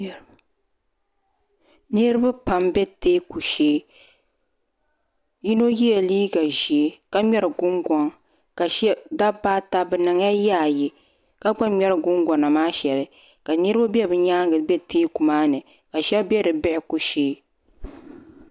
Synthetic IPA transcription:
nɨ˦ɾɨ˦ba˦pa˨mbɛ˦teː˦ku˨ʃeː˦ | ji˦no˦ji˦ɛ˨liː˦ɡa˨ʒi˨e˦ka˦mɛ˦ɾɨ˨ɡʊ˦ŋɡɔ˨ŋ | ka˨ʃɛ˦da˦baː˦ta˦bɨ˨nɨ˨ŋja˦ja˦˨ji˨ | ka˦ɡ͡ba˦mɛ˦ɾɨ˨ɡʊ˦ŋɡɔ˨na˨maː˦ʃɛ˨lɨ˦ | ka˨nɨ˦ɾɨ˦ba˦bɛ˦bɨ˨ɲaː˦ŋɡɨ˨bɛ˦teː˦ku˨maː˦nɨ˨ | ka˨ʃɛ˦bbɛ˦dɨ˨bɪ˦ʔɪ˨ku˨ʃeː˦

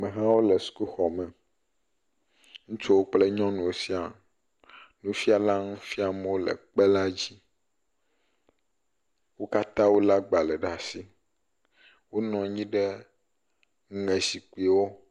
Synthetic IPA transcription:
mẽ˨ɦã˦wo˦lɛ˨su̥˨ku˦xɔ˨mɛ̃˨ | ŋũ˦t͡ʃo˦wo˦k͡ple˦ɲɔ̃˦nũ˨wo˨si˦a˨ | nũ˦fi˦a˨la˦nũ˦fi˦a˨mɛ̃˦wo˦lɛ̰˨k͡pɛ˦la˦d͡ʑi˦ | wo˦ka˦t̪ã˦wo˦la˦ɡ͡ba˨lɛ˨ɖa˨si˦ | wo˦nɔ̃˨ɲĩ˦ɖɛ˦ | ŋ˦ŋɛ̃˨si˨k͡pi˨˦˨wo˦

